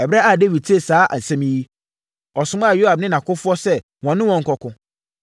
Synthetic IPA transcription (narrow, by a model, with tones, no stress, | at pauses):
ɛ˨bɾa˦a˨de˦vi˨d̚tʰe˨saː˨˦ʔa̰˨n̩˨sɛ̃˦mĩ˦ji˦ | ɔ˨sʊ̃˨˦m˦a˨jo˦ha˨b̚nɪ̃˦nã˨kʊ˦fʊ˦ɔ˦sɛ˦ | wɔ̃˨nːʊ̃˦wɔ̃˨ŋ̩˨kɔ˨kʊ̃˦